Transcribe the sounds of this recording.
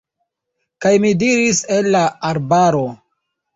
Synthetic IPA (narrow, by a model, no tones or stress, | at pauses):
kajmidiɾiselːaːɾbaɾo̞